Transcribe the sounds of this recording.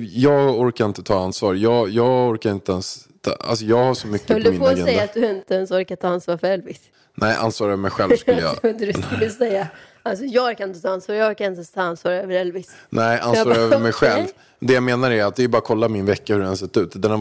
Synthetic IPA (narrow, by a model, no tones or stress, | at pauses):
jɑːɡɔɾkaɾɪnt̪ət̪ʰɑːansvɑːɾjɑːjɑːɡɔɾkaɾɪnt̪əɛnst̪ʰɑ̰a̰ls̬ɔjɑːɡhaʂɔmʏkːhœldd̪mɪpɔɡɛj̪ːaat̪̚d̪ɵɾɪnt̪əɛnsɔɾkat̪ʰɑːansvɑːɾfœɾɛlvɪs | nɛɪʔa̰nsvɑːɾœːvəɾmɛjɧɛlsk̪əjɑ̰d̪d̪kɵlːəsɛjːa | alsɔjɑːɔɾkaɾɪnət̪ʰɑːansvɑːɾjɑɔɾkaɾɪnt̪ɛst̪ʰɑːansvɑːɾøːvəɾɛlvɪsnɛɪʔa̰nsɑːɾøœvɾmɛjɧɛlvv | d̪ɛjameːnaɾæɾat̪̚d̪ɛjbɑːɾakʰɔlːamɪnvɛkːahɵɾɛns̬ɛt̪ːʉ̟ːt̪d̪ɛna